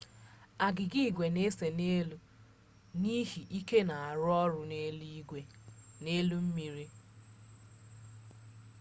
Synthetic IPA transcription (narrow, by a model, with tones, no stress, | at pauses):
a˨ɡɪ˨ɡi˦˨ɡʷe˨ne˦se˨ne˦lu˦ | ni˦ɦi˨ʔi˦ke˦na˨a˨ɾʊ˦ɔ˦ɾʊ˨ne˦li˦ɡʷe˨ne˦lu˦m̩˦mi˨ɾi˦